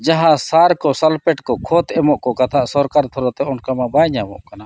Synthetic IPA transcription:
d͡ʒaɦãsaɾkɔsalpɛʈkɔkʰɔt̪ɛmɔʔkɔkat̪ʰaʔsɔɾkaɾt̪ʰɔɾɔt̪ɛɔɳkamabaɲamɔ̰ʔkana

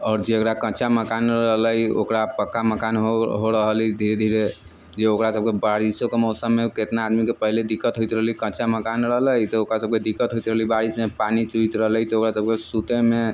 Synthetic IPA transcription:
ɔːɾd͡ʒeekɾakə̃t͡ʃaməkanɾəɦləjokɾapəkːaməkanɦoɦoɾəɦəlid̪ʱiɾed̪ʱiɾe | d͡ʒeokɾasəb̚kebaɾisokemɔsəmːeket̪naːd̪mikepəɦiled̪ikːət̪ɦojt̪ɾəɦlikə̃t͡ʃaməkanɾəɦləjt̪ɔokɾasəb̚ked̪ikːət̪ɦoit̪ɾəɦlibaɾismepanit͡ʃuit̪ɾəɦlət̪ɔokɾasəb̚kesut̪eme

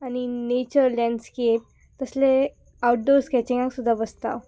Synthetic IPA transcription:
añinet͡ɕəɾlɛ̃ɳɖskep̚ | t̪əsle | awʈ̚ɖoɾskɛt͡ɕiŋɡaksud̪ʱːabəst̪a̰w

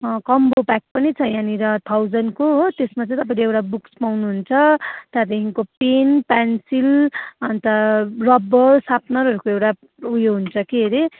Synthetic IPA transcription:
kʌmbopak̚pʌnit͡sʰʌjãniɾʌt̪ʰawd͡zʌnkoɦt̪esmat͡sʌ̃ĩt̪ʌpãĩleewʈabukspawnuɦunt͡sʰʌt̪ad̪eɦiŋkopenpansilʌnt̪ʌrʌbʌrsapnʌɾʌɾukoewʈa | ujoɦunt͡sʰʌkeɾe

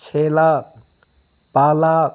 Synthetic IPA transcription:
t͡ʃʰela | paːla

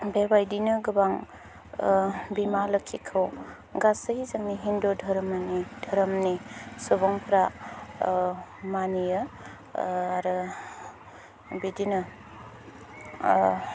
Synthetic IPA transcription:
bebajdinɯɡɯbaŋ | bimalɐkʰikʰɯw | ɡasəɦizaŋniɦindodʱɐɾɐmanidʱɐɾɐmnisɔbɔŋpʰɾa | manijɐ | aɾɯ | bidinɯ

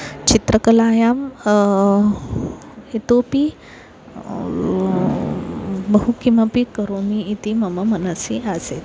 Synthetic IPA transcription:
t͡ɕit̪ɾəkəlaːjam | it̪opi | bəɦukiməpikəɾomiːt̪imɐməmənasiʔaset̪

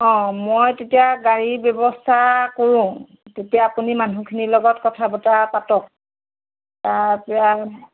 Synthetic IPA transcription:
ɔ̃mojtetijaɡaɹibjɔbɔstʰakoɹʊ̃ | tetijaːpunimanukʰinilɔɡɔtkɔtʰabɔtapatɔk̚ | taɹpɛa

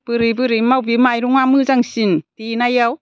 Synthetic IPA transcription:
b̥ɯɾibɯɾimawbimajɾuŋamɯzaŋsintinajaw

